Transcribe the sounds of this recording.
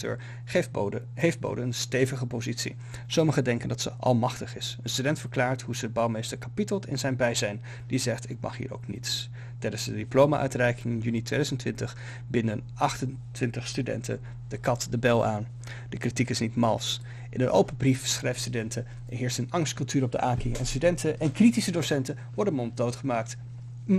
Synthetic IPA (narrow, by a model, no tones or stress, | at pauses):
tø̰ːɹ | ɦejft̚bo̰wdəənstejvəχəpowzitsḭ | soməχədɛŋkəndɑtsəʔɑ̰lˠmɑχtəχɪsənstydɛntfəɹklaːɹtɦuzəbɑwmejstəɹkapitəlˠtɪ̰nzɛjnbɛjzɛjn | dizɛχtɪk̚mɑ̰χɦḭːɹo̰wknḭts | tɛjdənzdədiplowma̰ʔœ̰ɥtrɛjkɪŋɪnjynitʋejdœzəntʋɪntəχ | bɪndənʔɑχtən | tʋɪntəχstydɛ̰ntə̰ | d̥əkɑtdəbɛlˠʔa̰ːn | d̥əkritikɪsnitmɑ̰lˠs | ʔɪnənʔo̰wpəbrifsχrɛjftstydɛntʰə | ɛɹɦɪːɹstənɑŋstkɵlˠtyːɾɔb̚də̰ʔaːkɪɛ̰nstydɛntəʔɛnkritisədowsɛntə | ʋɔɹdəmɔntdowtχəmaːk̚t